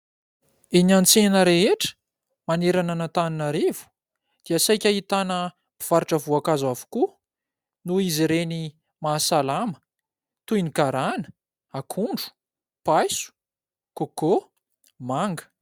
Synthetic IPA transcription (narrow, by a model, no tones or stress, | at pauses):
enant͡senəɾeɦeʈ͡ʂə̥ | maneɾananat̪aninaɾevu̥ | d̪̥iasajkʲaɦit̪anə | biv̥aɾiʈ͡ʂəvuakazwavu̥ku | nuiziɾeni | maːsalamə̥ | t̪ujnikaɾanə | akʰuɳɖ͡ʐu̥ | pajsu̥ | koko | maŋɡə̥